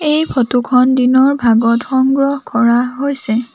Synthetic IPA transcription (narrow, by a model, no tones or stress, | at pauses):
ejpʰɔtukʰɔndinɔɹbʱaɡɔtxɔŋɡɹɔhkɔɹaɦojsɛ